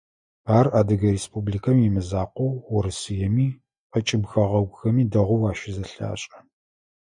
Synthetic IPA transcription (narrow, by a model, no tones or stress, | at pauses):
aːraːdɨɣɐɾeːspublikʰɐmimɨzaːqʷɔwwʊɾɨsɨjɛmiː | qɐt͡ʃʼɪbxɐʁɐɡʷʊxɐmiːdɐʁʷʊwaːʃɪzɐɬa̰ːɕʼɐ̥